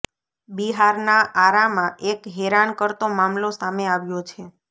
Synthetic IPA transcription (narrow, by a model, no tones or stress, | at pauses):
biɦaɾnaʔaɾamãʔekɦeɾankəɾt̪omamlosameaʋjot͡ʃʰe